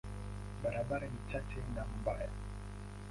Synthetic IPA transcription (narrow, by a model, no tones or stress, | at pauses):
baɾabaɾanit͡ʃat͡ʃɛnam̩baja